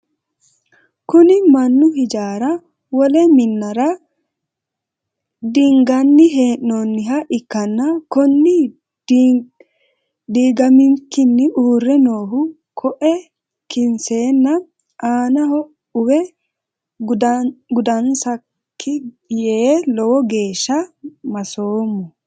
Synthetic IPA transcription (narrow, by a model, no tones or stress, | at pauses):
kʊnɪmɐnːʊɦɪd͡ʒaːɾɐ | wɔlɛmɪnːɐɾɐ | d̪ɪŋɡɐnːɪɦeːʔːoːnːɪɦɐʔɪkːɐnːɐkɔnːɪ | d̪iːɡɐmɪŋkːɪnːɪʔuːrːɛno̞ːɦʊ | kʰɔʔɛ | kɪnse̞ːnːɐ | ʔaːnɐhɔ | ʊwɛ | ɡʊd̪ɐnsɐ | kʰːɪɡɪjeːlɔwɔɡe̞ːʃːɐmɐsoːmːɔ